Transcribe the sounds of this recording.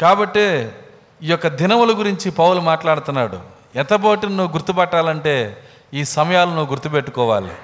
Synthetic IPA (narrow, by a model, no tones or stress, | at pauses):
kaːbɐʈːe | iːjɔkːɐd̪ʱinɐmulɐɡuɾiɲt͡ʃipɐwulumaːʈlaːɽut̪unːaːɽṵ | ɛnt̪ɐboːʈinɐnuʋuɡuɾt̪ubɛʈːaːlɐɳʈe̞ː | iːsɐmɐjaːlunuʋːuɡuɾt̪upeʈːukɔːʋa̰ːlḭ